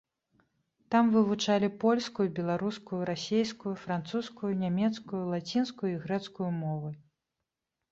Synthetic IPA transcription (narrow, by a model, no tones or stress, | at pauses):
t̪amvɨvut͡ʂalʲipɔlʲskujubʲɛlˠaɾuskujuɾasʲejskujufɾant̪suskujunʲamʲɛt̪skujulˠat͡sʲinskujuiɣɾɛt̪skujumɔvɨ